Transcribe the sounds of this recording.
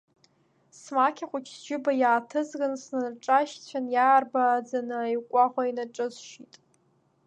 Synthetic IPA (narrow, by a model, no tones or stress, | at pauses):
smakʲʰaχʷʊt͡ʃʰsd͡ʒɪbajaːtʰɨzɡansnanʈ͡ʂʼaʃt͡ɕʷʰanjaːrbad͡zanɨajkʷʼaχʷainaʈ͡ʂʼɨzʃitʼ